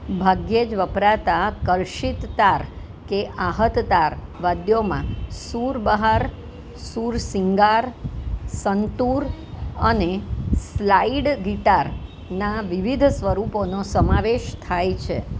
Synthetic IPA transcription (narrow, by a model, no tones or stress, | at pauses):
bʱaɡjed͡ʒʋəpɾat̪akəɾʃit̪ːaɾ | keʔaɦət̪d̪aɾʋad̪jomã̰suɾbəɦaɾ | suɾsiŋɡaɾsənt̪uɾəneslaiɖɡiʈaɾ | naʋiʋid̪ʱsʋəɾuponosəmaʋeʃt̪ʰajt͡ʃʰḛ